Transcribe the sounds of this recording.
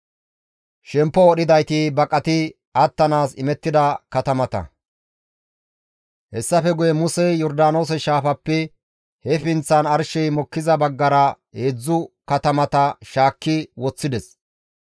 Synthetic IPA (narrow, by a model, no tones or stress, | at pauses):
ʃɛmpːɔɔɗɪd̪ɐjt̪ɪbɐkʼːɐt̪ɪ | ɐt̪ːɐnaːsɪmɛt̪ːɪd̪ɐkɐt̪ɐmɐt̪ɐ̰ | hɛsːɐfɛɡʊjɛmʊsɛjɔɾd̪aːno̞ːs̬ɛʃaːfɐpːɛ | hɛfɪnt͡sːɐnɐɾʃɛjmɔkːɪzɐbɐɡːɐɾɐ | heːd͡zːʊkɐt̪ɐmɐt̪ɐʃaːkːɪwɔt͡sːɪd̪ɛs